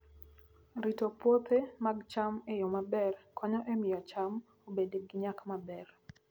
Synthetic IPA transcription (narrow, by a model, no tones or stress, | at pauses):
ɾitopot̪emaɡt͡ʃamejɔmabɛrkʰɔɲɔʔemɪat͡ʃam | obedeɡɪɲakmabɛr